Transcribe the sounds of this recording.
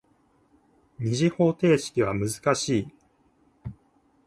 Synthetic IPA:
ɲ̟iʑiho̞ːt̪e̞ːɕi̥kʲiβamɯ̟zɨ̥kaɕiː

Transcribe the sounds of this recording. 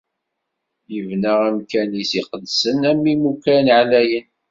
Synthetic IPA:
jəvnəʁæmkænisiqəd̪sənæmːimukænʕalæjən

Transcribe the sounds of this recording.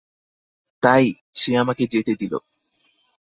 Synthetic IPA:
t̪aj | sijamaked͡ʒiet̪ed̪ilo̰

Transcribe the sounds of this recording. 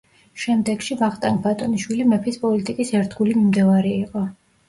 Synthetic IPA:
ʃɛmd̪ɛɡ̥ʃibaχt̪ʼanbat̪ʼɔniʃwilimɛpʰispʼɔlit̪ʼikʼisɛɾt̪ʰɡulimimd̪ɛvaɾɛːqʼɔ

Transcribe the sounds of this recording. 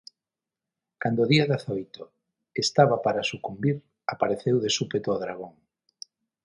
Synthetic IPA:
kand̪oðiaðaθojt̪o | est̪aβapaɾasukumbiɾ | apaɾeθewðesupet̪oɔðɾaɣ̞oŋ

